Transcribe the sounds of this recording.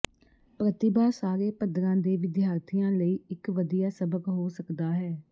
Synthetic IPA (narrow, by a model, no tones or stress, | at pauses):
pɾət̪ɪbaːsaːɾeːpəd̪ɾãːd̪eːʋɪd̪ɪjaːɾt̪ʰijãːləiːɪkʋəd̪ijaːsəbəkɦoːsəkd̪aːɦɛː